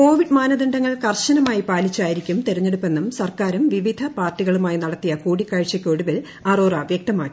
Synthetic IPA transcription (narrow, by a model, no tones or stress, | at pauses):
ko̞ːʋiɖmaːnɐðiɳɖɐŋːɐɭkɐrɕɐnɐmaːjipaːlit͡ɕːaːjiɾikʲːumt̪eɾɐɲːeɽupːe̞nːɐmsɐrkaːɾumʋiʋid̪ʱɐpaːrtːiɣɐɭumaːjinɐɽɐt̪ːijɐkuːɽikːaːɻt͡ɕːɐkʲːoɽuʋil | ɐːroːrɐʋjek̚t̪ɐma̰ːkʲːi̥